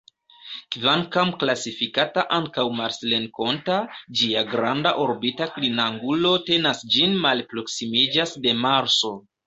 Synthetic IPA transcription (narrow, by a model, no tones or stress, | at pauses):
kvaŋkamklasifikataʔaŋkawmaɾslenko̞ntad͡ʒiaɡɾandaʔo̞ɾbitaklinaŋɡulo̞te̞nasd͡ʒinmalpɾo̞ksimid͡ʒasde̞maɾso̞